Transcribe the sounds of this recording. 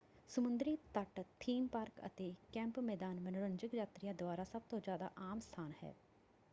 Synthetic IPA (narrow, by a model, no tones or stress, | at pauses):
səmʊnd̪ɾiːt̪əʈt̪ʰiːmpaːɾkə̰t̪eːkɛ̃ːmpmɛːd̪aːnmənɽənd͡ʒɪkd͡ʒaːt̪ɾijãːd̪ʊaːɾaːsəb̚t̪õːd͡ʒjaːd̪a̰ːʔaːmst̪ʰaːnhɛ̰ː